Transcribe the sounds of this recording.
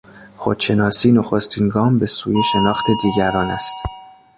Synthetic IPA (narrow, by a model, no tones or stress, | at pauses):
xod̪̥ʃe̞nɒːsiːnoxost̪ʰinɡɒːmbe̞suːje̞ʃe̞nɒːxt̪ʰe̞d̪iːɟæɾɒːnæ̰st̪